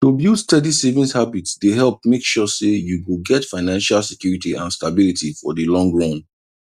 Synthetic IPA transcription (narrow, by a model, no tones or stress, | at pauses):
tobjutstɛdisevĩnshabitsdehɛlˠp̚mekʃɔsejuwɪlɡɛtfaɪnãnʃalsɛkjuɹitiãnstabilitifɔdɨlɔ̃ŋɡɹɔ̃n